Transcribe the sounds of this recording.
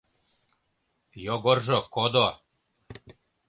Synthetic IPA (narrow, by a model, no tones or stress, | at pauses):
joɡorʒŏkod̪o